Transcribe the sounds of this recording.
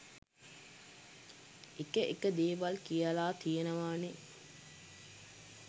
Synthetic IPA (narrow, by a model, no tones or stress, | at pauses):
ekəʔekəd̪eːʋɐlkijəlaːt̪ijenəʋaːne